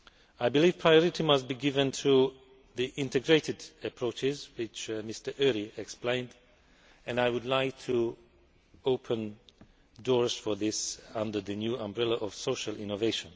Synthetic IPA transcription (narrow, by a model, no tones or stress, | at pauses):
aɪbɨliv̥pʰɹaɪɔɹɨtimʌst̚b̥iɡɪvɨ̃ntʰu | ðiʔɪ̃ntɨɡɹeɪtɨdəpʰɹ̥oʊt͡ʃɪzwɪt͡ʃmɪstə˞ʔɜɹiɛksplẽɪ̃nd | ɨ̃naɪwʊdˡlaɪk̚tʰu | oʊpʰə̃n | dɔɹz̥fə˞ðɪsʌ̃ndə˞ðɨnjuə̃mbɹɛlˠəʔɔv̥soʊʃəlˠɪ̃noveɪʃə̃n